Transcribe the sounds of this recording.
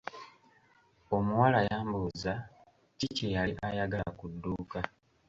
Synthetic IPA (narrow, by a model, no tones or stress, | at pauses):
o̞muwalajaːmbuza | cicejaliʔajaɡalakudːuːka